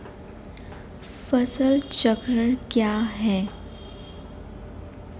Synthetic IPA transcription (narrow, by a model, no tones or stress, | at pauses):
fəsəlt͡ɕəkɾəɳkjaɦɛ